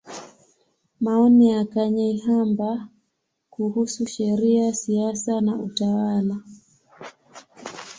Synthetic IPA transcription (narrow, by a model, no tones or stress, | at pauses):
maɔniakaɲaiɦamba | kuhusuʃɛɾiasiasanaʔutawala